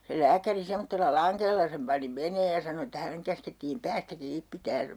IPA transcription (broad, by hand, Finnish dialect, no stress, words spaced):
se læːkæri semːotːelːɑ lɑŋkelːɑ sem pɑni meneːj jɑ sɑno etːæ hæneŋ kæsketːiːm pæːstæ kiːp pitæːn